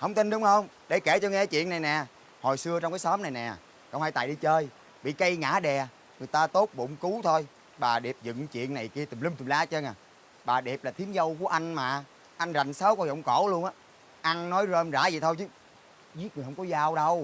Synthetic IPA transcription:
hə˧wŋ͡mt̪i˧nɗʊ˨˦ŋ͡mhə˧wŋ͡m | ɗe˧˩ke˧˩t͡ɕɔ˧ŋɛ˧aː˨˦t͡ɕwḭ˧˨əna˨˩jnɛ˨˩ | ho˨˩jsɨ˧ət͡ɕwŋ͡mkaː˨˦jsɔː˨˦mna˨˩jnɛ˨˩˨ | kwŋ͡mhaː˧˩jt̪aː˧˨jɗi˧t͡ɕəː˧j | ɓḭ˧˨kə˧jŋa̰ː˧˩˥ɗɛ˨˩ | ŋɨ˨˩əjt̪aː˧t̪o˦˥t̚ɓʊ̰˧˩wŋ͡mku˨˦t̪ʰo˧j | ɓaː˨˩ɗɛ˨˩p̚zɨ̰˧˨ŋt͡ɕwḭ˧˨əna˨˩jki˧ət̪i˨˩mŋ͡mli˧mt̪i˨˩ŋ͡mlaː˨˦t͡ɕə˧na˨˩ | ɓaː˨˩ɗɛ˨˩p̚laː˨˩t̪ʰi˨˦ənzə˧wku˧˩əʔa˧jŋ̟maː˨˩ | ʔa˧jŋ̟za˨˩ŋ̟saː˨˦wkɔ˧zə̰˧˨wŋ͡mkɔ˧˩˦lu˧ənʔaː˨˦ | ʔa˧ŋnɔ˨˦jzəː˧mza̰ː˧˩˦zi˨˩t̪ʰo˧jt͡ɕɨ˨˦ | zi˦˥ət̚ŋ˨˩hə˧wŋ͡mkɔ˨˦zaː˧wɗə˧w

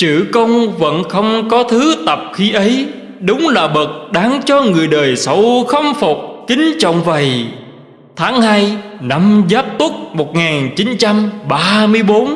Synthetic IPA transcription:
t͡ɕɨ˧˩kə˧wŋ͡mvə̰˧˥nxə˧wŋ͡mkɔ˨˦t̪ʰɨ˨˦t̪ə˨˩p̚xi˧ʔə˨˦j | ɗʊ˨˦wŋ͡mlaː˨˩ɓə˨˩t̚ɗaː˨˦ŋt͡ɕɔ˧ŋɨ˨˩əjɗəː˨˩jsə˨˦wxə˧wŋ͡mfo˨˩k͡p̚kï˨˦ŋ̟t͡ɕɔ̰˧˨wŋ͡mvə˨˩j | t̪ʰaː˨˦ŋhaː˧jna˧mzaː˦˥p̚t̪u˦˥t̚mo˨˩t̚ŋaː˨˩nt͡ɕi˨˦nt͡ɕa˧mɓaː˧mɨ˧əjɓo˨˦n

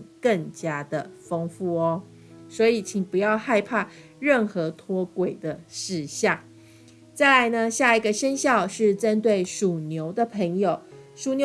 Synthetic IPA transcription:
kə˥˩ŋt͡ɕja˥d̪ə˨fɤ˥ŋfu˥˩ɔ˦ | swɔ˧˥i˨˩t͡ɕʰi˨˩ŋpu˧˦jɑ˥˧ʊxa˥˧ɪpʰa˥˧ | ɻə˥˩nxɤ˧˥t̪ʰwɔ˥kwe˨˩ɪd̪ə˦ʂɻ̩˥˧ɕjɑ˥˩ŋ | t͡sa˥˩ɪla˧˥ɪnə˧ɕja˥˩i˧˥ɡə˧ʂə˥nɕjɑ˥˧ʊʂɻ̩˥˩ʈ͡ʂə˦˥nt̪̬we˥˩ɪʂu˨˩njo˧˥ʊd̪ə˨pʰə˧˥ŋjo˨˩ʊʂu˨˩njo˧˥

